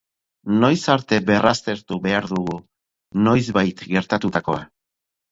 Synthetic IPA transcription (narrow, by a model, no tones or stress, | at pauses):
no̞jsaɾt̪e̞be̞rast̪e̞ɾt̪uβe̞aɾðuɣu | no̞jzβajt̪ɡe̞ɾt̪at̪ut̪ako̞̰a